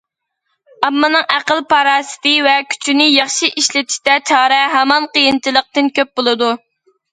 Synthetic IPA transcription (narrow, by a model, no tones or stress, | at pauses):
ɑmːɨnɨŋʔæqəlˠpʰɑɾɑːsɨ̥t̪ɨvɛkʲʰy̥t͡ʃʰynɪjɑχʃiʔiʃlɪt̪ʰi̥ʃt̪ɛt͡ʃʰɑːɾɛɦɛmɑnqəjint͡ʃʰilˠəq̚t̪ɨnkʲʰøp̚bolˠɨd̪u